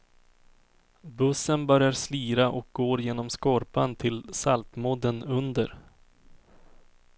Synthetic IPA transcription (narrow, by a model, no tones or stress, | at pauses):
bɵsːənbœɾjaɾsliːɾaʔɔk̚ɡoːɾjeːnɔmskɔɾpant̪ʰɪlsalt̪mɔd̪ənɵnd̪əɾ